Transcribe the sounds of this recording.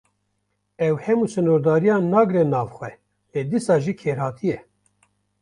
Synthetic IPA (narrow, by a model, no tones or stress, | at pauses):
ɛwhɛmuːsɨnoːɾd̪ɑːɾijɑːnɑːɡɾɛnɑːvxʷɛ | leːd̪isɑːʒiːkʰeːɾhɑːt̪ʰijɛ